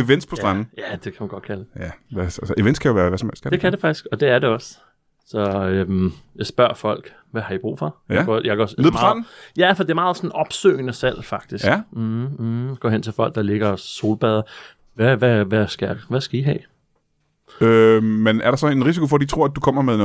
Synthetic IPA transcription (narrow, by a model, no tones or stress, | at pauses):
eʋen̰d̥spʰɒ̥̽ʁɑn̰n̩jæd̥e̝kʰæmænɡ̥ɒ̽d̥̚kʰælæʋæælsʔeʋen̰skʰæjoʋæːɐʋæsɒmḛl̰skʰæd̥e̝kʰædefɑ̈ɡ̥isɡ̥ɒ̽d̥e̝æɐɾe̝ɒ̽s | sɒ̽ømjɑ̈ɪsb̥ɶɐ̰fɒ̽l̰ɡ̥ | ʋæhɑ̈ib̥ʁṵːfɒ̽jaɡɒ̰jɑɡ̥ɒseð̩ˠmʰːʁnn̩jæfɒd̥e̝æmɑ̈ːð̞̩ˠsɒ̽nɒ̽b̥sø̰ːɪnəsæl̰fɑ̈ɡ̥̚d̥isɡ̩ | ɡ̥ɒ̰ːen̰t͡sʰe̝lfɒ̽l̰ɡ̥̚d̥ɑ̈le̝ɡ̥ɐso̝̰ːlb̥ɛːð̞ˠɐ | ʋæʋæʋæsɡ̥æʋæsɡ̥æiɦɛ̰ː | ømenæɐɾ̥ɑsɒ̽e̝nʁis̬ikʰo̝fɒd̥it͡sʰʁoɐ̰æd̥ukʰɒ̽m̰ɐmeðˠn